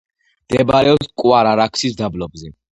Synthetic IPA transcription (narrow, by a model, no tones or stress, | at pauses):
md̪̥ɛbaɾɛɔpskʼwaɾaɾakʰsisd̪ablɔbzɛ